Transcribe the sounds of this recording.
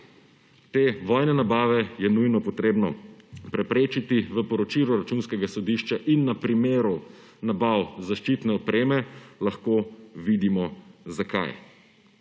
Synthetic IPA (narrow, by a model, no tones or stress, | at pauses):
t̪eːʋɔjnɛnabaːʋɛjɛnujnɔpɔt̪ɾeːbnɔpɾɛpɾeːt͡ʃit̪iʋəpɔɾɔt͡ʃiluɾat͡ʃunskɛɡasɔd̪iʃt͡ʃaʔinːapɾimeːɾu | nabawzaʃt͡ʃit̪nɛɔpɾeːmɛlaxkoʋid̪imɔzaka̰j